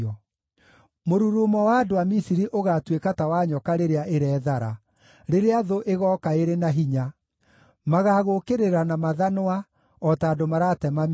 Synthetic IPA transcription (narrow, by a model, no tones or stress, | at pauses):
ɔ | moɾuɾoːmɔwaːdoamisiɾiʔoɣatwekatawaɲɔkaɾeɾeaʔeɾɛːðaɾa | ɾeɾeaðoʔeɣɔːkaeɾenaɦiɲa | maɣaɣokeɾeɾanamaðanowa | ɔtaːdomaɾatɛmam